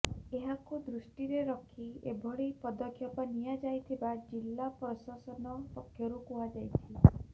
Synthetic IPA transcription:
eɦakud̪ɾusʈiɾeɾɔkʰiebʱɔɭipɔd̪ɔkʰjɔpɔnijad͡ʒajt̪ʰibad͡ʒilːapɾɔsasɔnɔpɔkʰːjɔɾukuɦad͡ʒajt̪ʰi

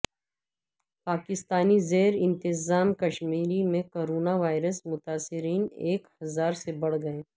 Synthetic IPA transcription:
paːkɪst̪aːnizeːɾɪ̃nt̪ɪzaːmkɐʃmiːɾimẽkoːɾoːnaʋaːɪɾəsmʊt̪aːsɪɾiːneːkhɐzaːɾsebɐɽ̤ɡɐeː

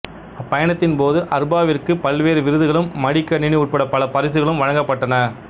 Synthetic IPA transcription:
ɐpːɐjɐɳɐt̪ːɪnpoːðɯʔɐɾbaːʋɪrkɯpɐlʋeːɾɯʋɪɾɯðɯɣɐɭɯmːɐɽɪkːɐnɪɳiʊʈ̚pɐɽɐpɐlɐpɐɾɪs̬ɯɣɐɭɯmʋɐɻɐŋɡɐpːɐʈːɐnɐ

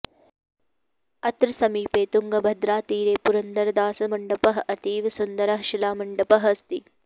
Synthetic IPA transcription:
ɐt̪ɾɐsɐmiːpeːt̪uŋɡɐbʱɐd̪ɾaːt̪iːɾeːpuɾɐnd̪ɐɾɐd̪aːsɐmɐɳɖɐpɐɦɐʔɐt̪iːʋsund̪ɐɾɐɦɐʃilaːmɐɳɖɐpɐɦɐst̪i

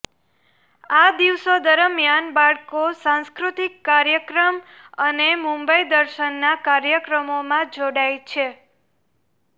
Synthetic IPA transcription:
ad̪iʋsod̪əɾəmjanbaɭkosãskɾut̪ikːaɾjəkɾəm | ənemũmbəid̪əɾʃənːakaɾjəkɾəmomãd͡ʒoɽajt͡ʃʰe

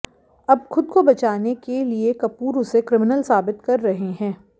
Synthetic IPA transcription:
ɐb̚xʊd̪̚kobɐt͡ʃaːnekeliekɐpuːɾʊsekɾɪmɪnəlsaːbɪt̪kɐɾːɐɦeɦɛ̃ː

